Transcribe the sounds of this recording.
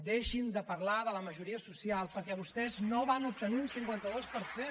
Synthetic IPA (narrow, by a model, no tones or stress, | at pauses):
d̪eʃind̪əpəɾlaðələməʒuɾiəsusialˠpəɾkɛβust̪ɛznoβanup̚t̪əniunsiŋkwɛnt̪əðospəɾse